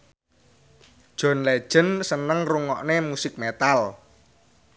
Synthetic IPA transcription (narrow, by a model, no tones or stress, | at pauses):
d̥ʒ̥ɔ̤nled̥ʒ̥ə̤nsənəŋruŋɔ̰ʔnemusɪk̚met̪al